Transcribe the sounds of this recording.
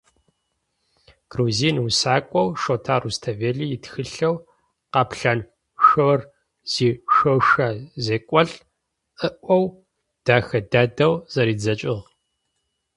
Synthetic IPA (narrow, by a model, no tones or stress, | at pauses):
ɡ̥ruziːnusaːkʷʼɔwʃotʰaːrustʰɐveːɮijɪtxɨɬɐw | qɐpɬɐn | ʃowr | z̥iːʃoʃaːzeːkʷʼɔɬ | ɨʔʷɔw | d̥aːxɐdaːdɐwz̥ɐɾiːd͡zɐt͡ʃʼɪʁ